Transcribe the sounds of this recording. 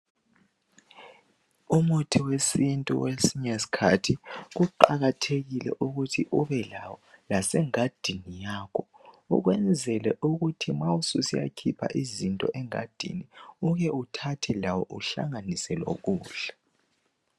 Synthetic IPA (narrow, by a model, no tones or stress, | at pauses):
umutʰiwesintʼṵwesiɲɛsi̥kʰa̰tʰiɣuǃa̰ɣatʰeɣilɛ̰ʔuɣutʰiʔuβɛlawɔlasɛŋad̥ʱinijaːkʰɔ | ṵɣwɛnd͡zʱɛlɛʔuɣutʰimawususija̰kʰipʰa̰ʔizintʼɔ̰ʔɛŋa̰d̥ʱḭniuɣɛutʰatʰɛlawɔʔuɬa̰ŋanisɛlo̰ɣuːɮḁ